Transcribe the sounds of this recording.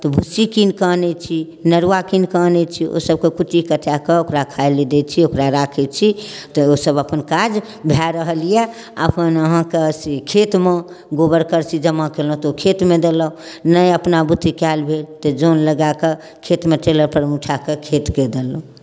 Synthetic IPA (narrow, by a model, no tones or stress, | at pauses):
t̪ɔbʱusikinkənɛt͡ʃʰi | nəɾʋakinkənɛt͡ʃʰiʔo̰səb̚kekuʈːikəʈʰjakeokɾakʰajled̪et͡ʃʰiokɾaɾakʰɛt͡ʃʰi | t̪ɔosəbəpənkad͡ʒ | bʱjaɾəɦəlijɛ | ə̰pənəɦãkesikʰet̪me | ɡobəɾkəɾt͡ʃʰid͡ʒəmakelə̃ɦũt̪ɔokʰet̪med̪eləũnəjəpnabut̪ːikalbʱelt̪ɔd͡ʒonləɡake | kʰet̪meʈeləɾpəɾmuʈʰakekʰet̪ked̪elɔũ